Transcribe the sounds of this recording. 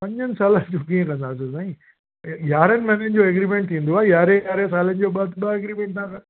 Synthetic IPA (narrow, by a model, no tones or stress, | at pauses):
pɐ̃ɲd͡ʑənɪ̆saːlənɪd͡ʑoːkĩkɐ̃ɦə̃nd̪aːs̬esaːĩ | jaːɾənɪ̆mɛːnənɪ̆d͡ʑoːɐɡɾiːmẽɳʈ̚t̪ʰĩːn̆d̪oaːjaːɾeaːɾesaːlənɪ̆d͡ʑoːɓad̪ɓaɡɾiːmẽɳʈ̚t̪aː